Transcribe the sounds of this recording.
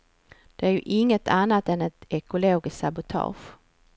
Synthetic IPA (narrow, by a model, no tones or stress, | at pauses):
d̪̥ɛæɾjɵʔɪŋːət̪ʰanːat̪ɛnɛt̪ɛkʊloːɡɪssabʊt̪ʰɑ̰ːɧ